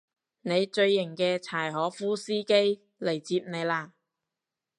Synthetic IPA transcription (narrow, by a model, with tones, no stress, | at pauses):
ne˨˧jt͡ʃɵ˧ɥːɪ˨˩ŋkɛː˧t͡sʰaː˨˩jɦɔː˨˥fuː˥siː˥ke˥j | le˨˩jt͡siː˧p̚ne˨˧jlaː˧